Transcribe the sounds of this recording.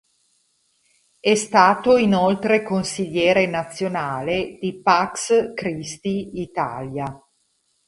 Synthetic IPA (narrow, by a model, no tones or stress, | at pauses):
ɛst̪aːt̪oinolt̪ɾekonsiʎːɛːɾenat̪sːjonaːled̪ipakskɾist̪iːt̪a̰lja